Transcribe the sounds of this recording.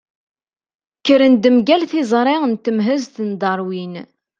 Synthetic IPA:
kːəɾənd̪əmɡælθɪzˤɾˤɪʁənt̪ːəmɦəzθənd̪ɑɾˤwin

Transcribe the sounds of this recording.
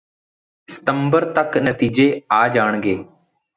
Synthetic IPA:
sɪ̥t̪əmbəɾt̪əknət̪iːd͡ʒeːaːd͡ʒaːɳ̃ɡeː

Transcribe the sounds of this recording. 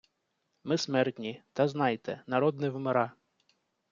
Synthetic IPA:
mɪsmɛrt̪ʲnʲit̪ɐznɑjt̪ɛnɐɾɔd̪nɪwmeɾɑ

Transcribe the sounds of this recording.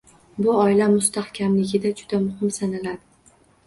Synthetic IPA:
bʊɒɪlamʊst̪ahkʲʰamlɪɡʲɪd̪ad͡ʒʊd̪̥amʊhɪmsanalad̪ɪ

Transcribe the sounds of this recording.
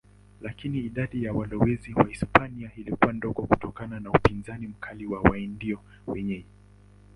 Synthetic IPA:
lakiniːɗaɗijawalɔwɛziwaispaniailikuwandɔɡɔkutɔkananaupinzanim̩kʰaliwawaindiɔ | wɛɲɛɲɛ

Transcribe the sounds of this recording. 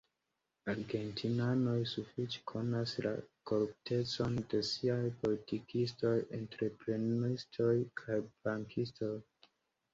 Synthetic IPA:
aɾɡe̞ntʰinano̞jsufit͡ʃe̥kʰo̞nasla̰ko̞ɾup̚te̞t͡so̞nde̞siajpo̞litikisto̞jentɾe̞pɾenistʰo̞jkʰajbaŋkʰisto̞j

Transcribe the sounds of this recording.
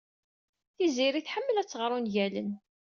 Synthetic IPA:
θiziɾiθħəmːəlæt͡sːəʁɾˤunʝælə̰n

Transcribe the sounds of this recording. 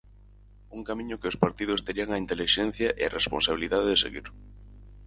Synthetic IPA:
uŋkamĩɲʊkɪʊspaɾt̪iðʊst̪eɾiaŋɐint̪eliʃɛn̟θjɐʔeɐrʔespo̰nsaβiliðaðeðesḛɣḭɾ

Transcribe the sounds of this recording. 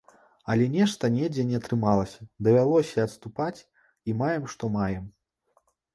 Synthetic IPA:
ɐlʲɛnʲɛʂt̪ɐnʲɛd͡zʲɛnʲɛɐt̪ɾɨmalˠɐsʲɐ̥d̪ɐvʲalˠɔsʲɐɐt̪st̪upat͡sʲ | imajɛmʂt̪ɔmajɛm

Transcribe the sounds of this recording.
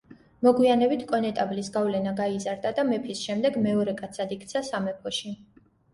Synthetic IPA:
mɔɡwianɛbit̪ʰkʼɔnɛt̪ʼavlisɡavlɛnaɡaizaɾd̪ad̪amɛpʰisʃɛmd̪ɛɡmɛɔɾɛkʼat̪sʰad̪ikʰt̪sʰasamɛpʰɔʃi

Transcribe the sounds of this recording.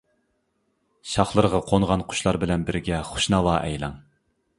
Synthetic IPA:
ʃɑχlˠəɾʁɑqʰoŋʁɑnqʰʊ̥ʃlˠɑɾbɪlɛnbɪɾɡʲɛχʊ̥ʃnɑlɑːʔɛ̰jlˠɑŋ

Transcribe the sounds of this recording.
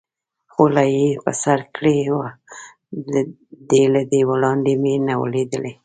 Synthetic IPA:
xolɑjepə̰saɾkɽewa | d̪elad̪ewaɽɑnd̪emenawə̰led̪əle

